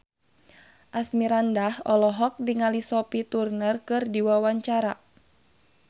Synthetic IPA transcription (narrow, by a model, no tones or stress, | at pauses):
ʔasmiɾandahɔlɔɦɔk̚diŋalisɔpit̪urnərkɨrdiwawaɲt͡ʃaɾa